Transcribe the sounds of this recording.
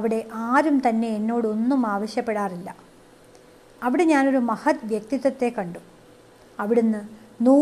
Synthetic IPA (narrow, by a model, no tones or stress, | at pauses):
ɐʋiɽe̞ʔaːɾumt̪ɐnːe̞ːnːo̞ːɽɨo̞nːumaːʋɐɕjɐpːe̞ɽaːrilːɐ | ɐʋiɽe̞ɲaːno̞ɾumɐhɐt̪ʋjɐk̚t̪iðɐt̪ːe̞kːɐɳɖu | ɐʋiɽenːɨ | nuː